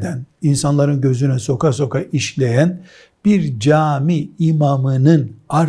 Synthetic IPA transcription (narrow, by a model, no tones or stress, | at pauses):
d̪æninsanlˠaɾɯnɟø̞zynɛso̞kas̬o̞kaʔiʃlʲe̞jæn | b̥iɾd͡ʒaːmiːmamɯnɯnaɾ